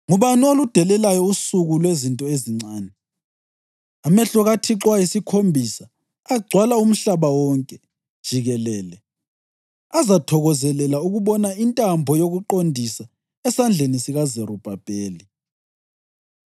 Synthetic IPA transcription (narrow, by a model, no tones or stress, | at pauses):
ŋuβaniolud̥ʱɛlɛlajɔusuɣulwezintʼɔeziŋ͡ǀaːnɛ | amɛɬɔɣatʰiǁwajisikʰombʱisa | aɡ͡ǀʱwalaum̩ɬaβawɔŋkʼɛ | d̥ʒ̥ʱiɣɛlɛːlɛ | azatʰɔɣɔzɛlɛlauɣuβɔnaintʼambʱɔjoɣuǃondʱisa | ɛsand͡ɮʱenisiɣazɛɾub̥ʱab̥ʱeːli